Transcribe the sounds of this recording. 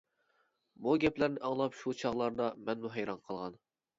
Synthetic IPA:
buɡʲɛplæɾnɪʔɑŋlˠɑpʃut͡ʃʰɑʁlˠɑɾd̪ɑmɛnmuɦɛjɾɑnqʰəlˠʁɑn

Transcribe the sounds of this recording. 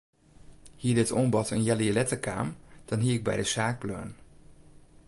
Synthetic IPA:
hiːədɪtombɑtənjɛliəlɛtəka̰ːmd̥ɑnɦiəɪɡ̚bɛ̰jdəsaːk̚plœ̰ːn

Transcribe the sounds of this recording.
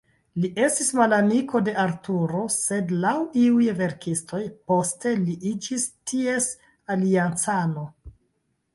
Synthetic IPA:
liʔe̞stismalamikʰo̞de̞ʔaɾtuɾo̞se̞dlawiujve̞ɾkistʰo̞jpo̞ste̞liʔid͡ʒistʰie̞s | aliant͡sano̞

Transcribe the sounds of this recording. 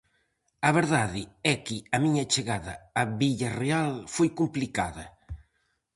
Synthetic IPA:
ɐβeɾðaðɪɛkɪɐmiɲɐt͡ʃeɣaðɐːβiʎarealfojkumplikaðɐ

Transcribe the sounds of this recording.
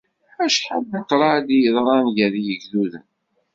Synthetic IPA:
æʃħalːəqːɾˤɑd̪jəðˤɾˤɑnʝæðijəʝðuðə̰n

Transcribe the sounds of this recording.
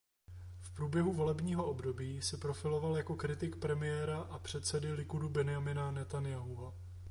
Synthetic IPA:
fpɾuːbjɛɦuvo̞lɛbɲiːɦo̞ʔo̞bdo̞biːsɛpɾo̞fɪlo̞valjako̞kɾɪt̪ɪkpɾɛmɪjɛːɾaʔapr̝̥ɛt̪t͡sɛdɪlɪkudubɛnɪjamɪnanɛt̪anjaɦuɦa

